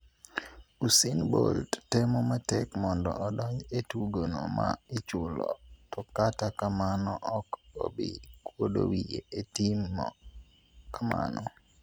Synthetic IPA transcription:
usinboldtɛmɔmatɛkmɔndɔ̰ʔɔdɔɲd͡ʒetuɡonomaet͡ʃʊlɔ̰tɔkatakamanɔʔɔko̰bikwodo̰wieʔetimɔ | kama̰nɔ

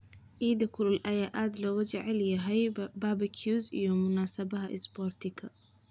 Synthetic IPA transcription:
ʔiːd̪ɐkʰʊlʊlʔɐjaːʔaːd̪lɔːɣʊt͡ʃɛʕɛljɐɦɛjbaːbɐkʰjuːsḭjɔmʊnaːsɐbɐɦɐʔɪ̰sbɔːrt̪ʰɪkʰɐ

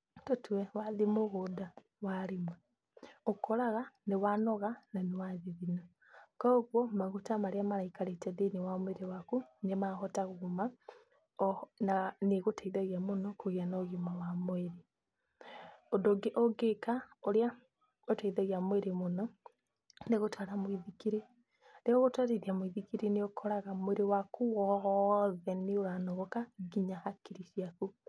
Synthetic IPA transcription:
totuɛwaðimoɣoda | waɾimwe | okoɾaɣanewanɔɣananewaðiðina | kaoɣwɔmaɣutamaɾeamaɾaikaɾetɛðinewamweɾewakunemaxɔtaɣoɣuma | naneɣotʰaiðaɣjamonɔkoɣianɔɣomawamweɾi | odoɡeʔɔɡekaoɾja | otaiðaɣiamoweɾemonɔ | neɣotʰwaɾamoiðikiɾe | neoɣotwaɾeðiamoiðikiɾeneokʰɔɾaɣamoweɾewakʰuwɔɔðɛneoɾanɔɣɔkaɡiɲahakiɾiʃiaku

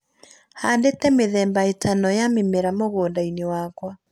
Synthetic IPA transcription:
haːndetɛmeðɛːmbaetʰanɔjamemeɾamoɣoːndainewakwa

